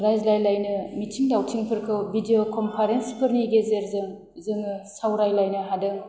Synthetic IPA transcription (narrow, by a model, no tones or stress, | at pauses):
ɾajzlajlajnɯmitʰiŋdawtʰiŋpʰɯɾkʰɯwbideokʰɔmpʰaɾenspʰɯɾniɡezeɾzɯŋ | zɯŋɯsawɾajlajnɯɦadɯŋ